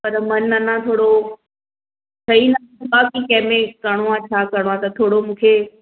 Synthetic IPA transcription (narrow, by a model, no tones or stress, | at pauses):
pɐɾmɐnːɐnãt̪ʰoːɽo | sʰɐinɐ | baːkikɐ̃ɦmẽkɐɽ̃oãːt͡ɕʰaːkɐɽ̃oãt̪ɐt̪ʰoːɽomũːkʰeː